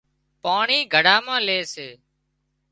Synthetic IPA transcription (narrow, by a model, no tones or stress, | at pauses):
paːɳiːɡʱəɽaːmãːleːseː